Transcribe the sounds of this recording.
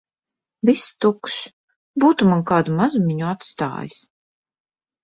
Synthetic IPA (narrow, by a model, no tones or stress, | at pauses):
vist̪ukʃ | buːt̪umankaːd̪umazumʲiɲuat̪st̪a̰ːjis